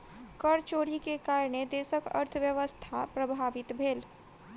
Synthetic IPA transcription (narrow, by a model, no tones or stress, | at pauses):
kəɾt͡ʃoːɾikekaːɾɳ̃ed̪eːsəkə̰ɾt̪ʰəʋjəʋəst̪ʰapɾəbʱaːʋɪt̪bʱeːl